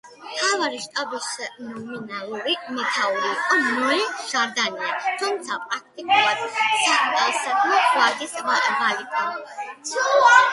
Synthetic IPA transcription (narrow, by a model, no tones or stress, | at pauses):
mt̪ʰavaɾiʃt̪ʼabisnɔminalˠuɾimɛt̪ʰauɾiːqʼɔmlɛʒ̥aɾd̪aniat̪ʰumt̪sʰapʼɾak̚ʰt̪ʼikʼulˠad̪saχt̪ʼasad̪ʰmawad̪isabalit̪ʰa